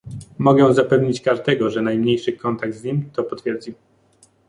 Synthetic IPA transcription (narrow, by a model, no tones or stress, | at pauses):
mɔɡɛw̃zapɛvɲit͡ɕkaʐd̪ɛɡɔʐɛnajmɲejʂɘkɔnt̪aɡ̚d̪zɲimʲt̪ɔpɔt̪fʲjɛɾd͡ʑi